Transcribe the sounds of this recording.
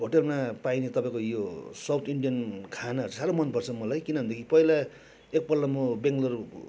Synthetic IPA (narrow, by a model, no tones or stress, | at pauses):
bʱoʈʌrmapajnet̪ʌpaĩkojosawt̪ʰiɳɖijʌnkʰanaɦʌrt͡sʰʌsaɾomʌnpʌrt͡sʰʌmʌlajkinʌbʱʌnd̪ekʰipʌila | ek̚pʌrlamobeŋɡlʌr